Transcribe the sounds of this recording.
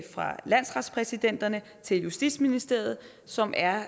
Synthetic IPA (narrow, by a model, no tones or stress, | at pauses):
fʁɑ̈læn̰sʁɑ̈d̥spʰʁɛsid̥en̰d̥ɐnə | t͡sʰe̝ljusd̥ḭ̥sminisd̥e̝ɐ̰ð̞̩ˠ | sɒ̽mʔæɐ